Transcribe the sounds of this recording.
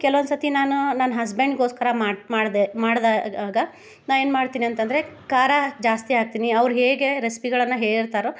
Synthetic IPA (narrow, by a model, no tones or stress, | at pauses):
kɛlɐʋond̪sɐt̪inaːnunɐnɐɦɐsbeɳɖɡo̞ːskɐɾɐamaːmaːɽd̪aːaːɡɐ | naːʋeːnmaːɽt̪iːniɐnt̪ɐnd̪ɐɾekaːɾad͡ʒaːst̪iaːɡ̚t̪iːniɐʋɾuɦeːɡe̞ɾesi̥piɡɐɭɐnːɐɦeːɭiɾt̪aːɾo